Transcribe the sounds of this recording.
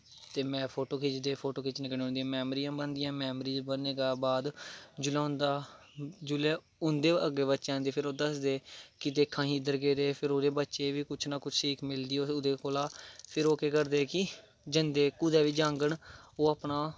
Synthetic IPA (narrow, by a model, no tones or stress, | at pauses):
t̪eːmɛ̃ːpʰoːʈoːkʰeːt͡ʃd̪eːpʰoːʈoːkeːt͡ʃnɪknẽɦõːnd̪ĩjãːmɛːmɾijãːbənd̪ɪjãːmɛːmɾiːd͡ʒbəneːɡaːbaːd̪d͡ʒʊlaːɦʊ̃nd̪aː | d͡ʒʊleː | ʊnd̪eːəɡːeːbətːʃãːnd̪eːpʰɪɾoːd̪əsd̪eːkɪt̪eːkʰːãːɦĩːd̪əɾɡeːd̪eːpʰɪɾoːd̪eːbətːʃeːʋiːkʊt͡ʃʰnaːkʊt͡ʃʰʈʰiːkmɪld̪iːoːʊd̪eːkoːlaːpʰɪɾoːkeːkəɾd̪eːkɪ | d͡ʒənd̪eːkʊd̪ɛːʋiːd͡ʒãːŋɡəɳoːaːpnaː